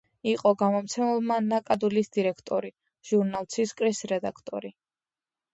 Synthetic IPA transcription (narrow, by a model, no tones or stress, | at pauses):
iqʼɔɡamɔmt̪sʰɛmɛlˠmanakʼad̪ulisd̪iɾɛkʰt̪ʼɔɾi | ʒ̥uɾnalˠt̪sʰiskʼɾisɾɛd̪akʰt̪ʼɔ̰ɾi